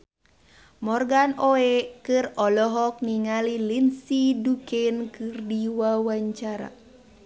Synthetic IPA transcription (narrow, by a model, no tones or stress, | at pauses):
mɔrɡanoekɨrɔlɔɦɔk̚niŋalilinsidukɛnkɨrdiwawaɲt͡ʃaɾa̰